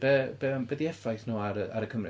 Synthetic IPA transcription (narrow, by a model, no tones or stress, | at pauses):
b̥ɛbɛmbɛðiɛfajθnuːaɾəaɾəkʰəmrɪ